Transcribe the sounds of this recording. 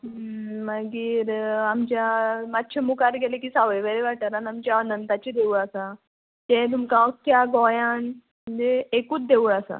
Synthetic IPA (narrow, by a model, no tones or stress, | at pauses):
məɡiːɾamt͡ɕjamat̪ːt͡ɕʰemukaɾɡɛlekiːsaʋəjʋəɾeʋaʈaɾanamt͡ɕaɔnənt̪at͡ɕid̪euɭasa | t̪ẽt̪̬umkãsk̪jaɡɔjan | məd͡ʑeekuːt͡s̚d̪euɭasa̰